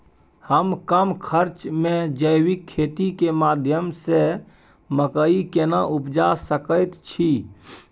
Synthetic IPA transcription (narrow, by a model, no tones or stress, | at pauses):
həmkəmkʰəɾt͡ʃmẽd͡ʒəjwikʰːet̪ikemad̪ʱjəmse | məkəikenaʔupd͡ʒasəkəjt̪t͡ʃʰi